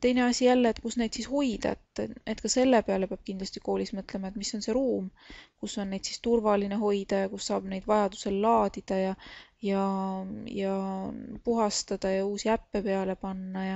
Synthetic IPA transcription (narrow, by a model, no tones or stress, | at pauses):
t̪e̞jne̞ɑsʲijælːeːt̪kusne̞ːd̪̥sisho̞jd̪̥ɑ̰et̪ːet̪ːkɑse̞lːe̞peɑle̞peɑb̥̚kind̪lɑsʲt̪i̥ko̞ːlismɤt̪ːˑle̞mɑet̪misːo̞nse̞ɾuːmkusːo̞nːe̞jd̪̥sist̪urvɑline̞ɦo̞jd̪̥ɑjɑkusːɑːb̥ne̞jd̪̥vɑjɑd̪̥u̥se̞lːɑːd̪̥id̪̥ɑjɑjɑ | jɑ | puɦɑst̪ɑd̪̥ɑjɑuːsiæpːe̞peɑle̞pɑnːɑjɑ